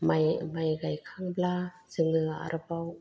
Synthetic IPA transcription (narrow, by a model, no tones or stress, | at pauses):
majmajɡajkʰaŋbla | z̥ɯŋɯaa̰ɾʔɯbaw